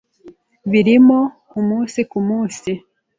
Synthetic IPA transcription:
βiɾimo | umuːnsikumuːnsi

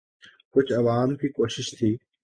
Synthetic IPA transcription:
kʊt͡ʃʰɐʋaːmkiːkoːʃɪʃt̪ʰiː

